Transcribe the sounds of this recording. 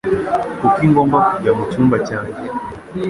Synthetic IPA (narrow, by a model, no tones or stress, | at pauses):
kukiŋɡɔmbaɡamut͡ʃumbat͡ʃakɛ